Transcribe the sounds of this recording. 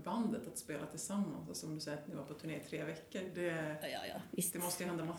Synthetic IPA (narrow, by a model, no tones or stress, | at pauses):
band̪ət̪at̪speːlʔat̪ʰɪlsamːa̰nsalsɔɔmd̪ɵsɛjəɾat̪nɪvaɾpʰɔt̪ʰɵɳeːɪt̪ʰɾeːvɛkːəɾd̪ɛ̰ | dd̪ɛmɔst̪əjəhɛnd̪ama